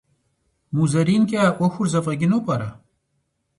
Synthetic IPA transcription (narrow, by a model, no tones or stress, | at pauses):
muzɐɾinkaoxuɾzɐfɐɡinopɐɾa̰